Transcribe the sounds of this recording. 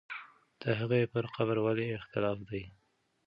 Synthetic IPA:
d̪̥əɦaɣepəɾqaβəɾwaleɪxt̪ɪlɑfd̪aj

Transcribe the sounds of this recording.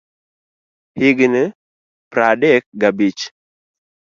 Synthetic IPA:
hɪɡne | pɾadɛk̚ɡabit͡ʃ

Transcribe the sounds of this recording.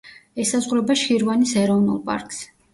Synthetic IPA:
ɛsazʁɾɛbaʃiɾvanisɛɾɔvnṵlˠpʼa̰ɾkʼs

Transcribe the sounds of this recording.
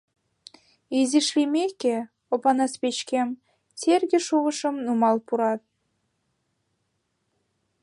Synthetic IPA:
iziʃlimeke | opɑnɑspet͡ɕkem | t͡serɣeʃuβə̆ʃəmnumɑlpuɾɑt̪̚

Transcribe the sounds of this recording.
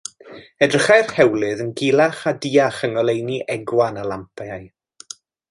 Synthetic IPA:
ɛdrəχɛr̥hɛwlˠɨðənɡilˠaχadiːaχəŋɔlˠejniʔɛɡwanalˠampʰaaj

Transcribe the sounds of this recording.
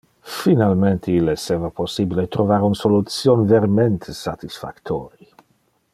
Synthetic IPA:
finalment̪ʰeilːeseːvaposːibilet̪ɾovaɾunsolut̪sjonveɾment̪ʰesat̪isfa̰kt̪ʰoːɾi

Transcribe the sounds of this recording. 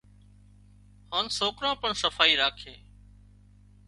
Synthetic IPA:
haːnsoːkɾãːpəɳsəfaːiːɾaːkʰeː

